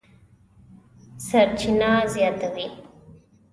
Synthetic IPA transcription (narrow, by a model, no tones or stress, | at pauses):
saɾt͡ʃʰinazjɑt̪awi